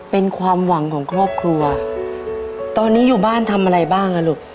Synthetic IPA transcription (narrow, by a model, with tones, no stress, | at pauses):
pe˧nkʰwaː˧mwa˩˦ŋkʰɔː˩˦ŋkʰɾɔː˥˩p̚kʰɾu˧ɐ | t̪ɔː˧nːiː˦˥juː˨˩baː˥˩nt̪ʰa˧mʔa˧ɾa˧jbaː˥˩ŋʔa˧lo˨˩k̚